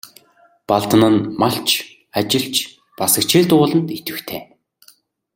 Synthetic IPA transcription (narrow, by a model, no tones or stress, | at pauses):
paɮt̪ə̆nə̆nmaɬt͡ɕʰ | at͡ɕɪ̆ɬt͡ɕ | pasə̆kt͡ɕʰɪːɮt̪ʊːɮə̆nt̪et̪ɘ̆xt̪ʰeː